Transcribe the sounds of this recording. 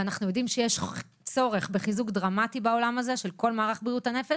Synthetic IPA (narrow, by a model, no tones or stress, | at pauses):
anaχnujo̞dimʃejeʃ | t͡so̞ʁe̞χbe̞χizukd̪ʁamatibao̞lamaze̞ʃe̞lko̞lmaːʁaχbʁiutane̞feʃ